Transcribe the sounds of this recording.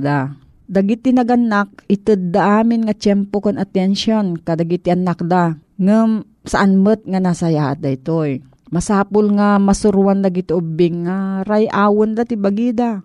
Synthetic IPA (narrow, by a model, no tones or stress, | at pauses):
d̪a | d̪ɐɡit̪ɪnɐɡʔanak̚ɪt̪ɨd̪̚ːaʔaːmɪnŋat͡ʃɛmpokonʔat̪ɛnʃonkad̪aɡit̪ɪʔanak̚d̪aŋɨm | sɐʔanmət̪̚ŋanaːsɐjaːʔat̪̚d̪ait̪oj | mɐsaːpʊlŋamɐsʊɾwand̪aɡɪt̪oʔobɪŋːaɾajʔaːwond̪at̪ɪbaɡid̪a